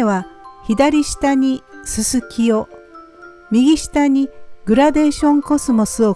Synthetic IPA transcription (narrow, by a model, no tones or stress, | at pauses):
eβaçid̪aɾʲiɕi̥t̪aɲ̟isɨsɨkʲio | mʲiɡʲiɕi̥t̪aɲ̟iɡɯ̟ɾad̪e̞ːɕõ̞ŋko̞sɨmo̞sɨo